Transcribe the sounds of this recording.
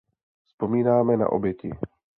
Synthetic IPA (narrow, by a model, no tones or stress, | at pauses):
spomiːnaːmɛna̰ʔo̰bjɛcɪ̰